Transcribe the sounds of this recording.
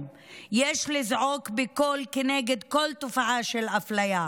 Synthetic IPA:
jeʃlizʕokbeko̞lkeneɡed̪ko̞lt̪ofaʕaʃelaflaja

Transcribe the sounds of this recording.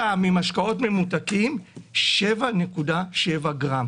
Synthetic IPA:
amimaʃkao̞tme̞mutakimʃe̞vane̞kudaʃevaɡʁam

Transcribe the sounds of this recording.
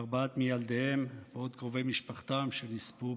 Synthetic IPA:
ʁbaat̪mijald̪ehemveo̞d̪kʁovejmiʃpaχt̪amʃenispu

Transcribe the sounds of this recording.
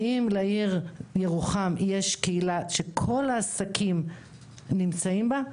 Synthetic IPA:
imleiʁje̞ʁuχamje̞ʃkeilaʃe̞kʰo̞laːsakʰim | nimt͡saimba

